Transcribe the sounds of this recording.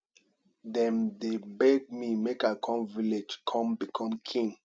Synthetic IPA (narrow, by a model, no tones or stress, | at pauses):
dɛ̃ndebɛɡ̚mimekakʰɔ̃mviled͡ʒkʰɔ̃mbikʰɔ̃mkʰĩŋ